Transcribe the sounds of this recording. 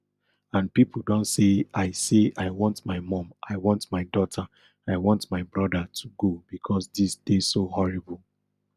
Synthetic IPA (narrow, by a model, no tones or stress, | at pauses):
ãnpip̩ʰdɔ̃ntseaɪseaɪwɔ̃ntmaɪmɔ̃mʔaɪwɔ̃ntmaɪdɔtʰa | aɪwɔ̃ntmaɪbɹɔdatʰuɡobikʰɔsdisd̥esohɔɹibul